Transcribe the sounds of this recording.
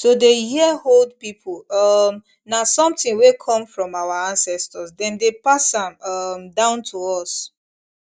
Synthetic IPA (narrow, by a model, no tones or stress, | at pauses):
sodehiəhold̚pipʰulʌm | nasɔ̃mtɪ̃ŋwekʰɔ̃mfɹɔ̃mawaãnsɛstɔsdɛ̃ndepasãmʌmdãʊ̃ntʰuɔs